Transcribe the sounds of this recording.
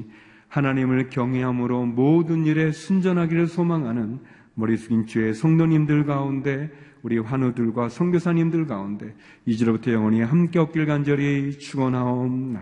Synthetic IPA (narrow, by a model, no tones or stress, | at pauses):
hanaɲimɯɭkjʌŋɦeɦamɯɾomodɯniɾe̞sʰund͡ʑʌnɦaɡiɾɯɭsʰomaŋɦanɯn | mʌɾisʰuɡint͡ɕeesʰʌŋdoɲimdɯɭɡaunde̞ | uɾiɸwanudɯɭɡwasʰʌŋɡjosʰaɲimdɯɭɡaunde̞ | id͡ʑʌɾbutʰʌjʌŋʌɲiɦamk͈e̞ʌp̚k͈iɭɡand͡ʑʌɾit͡ɕʰuɡʌnɦaomna